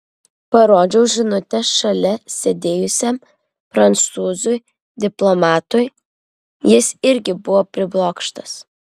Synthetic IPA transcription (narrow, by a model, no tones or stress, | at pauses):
pɐɾoːd͡ʒʲɛʊʒʲɪnʊt̪ʲɛsʃɐlʲɛsʲɛd̪ʲeːjʊsʲɛm | fɾɐnt̪suːzʊj | d̪ʲɪplˠomɑːt̪ʊj | jɪsɪɾʲɡʲɪbʊʋoːpʲɾʲɪblˠoːkʃt̪ɐs